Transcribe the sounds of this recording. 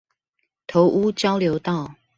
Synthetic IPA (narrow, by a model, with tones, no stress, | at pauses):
t̪ʰo˨˦ʊʔu˦t͡ɕjɑ˦ʊljo˨˦ʊt̪ɑ˥˨ʊ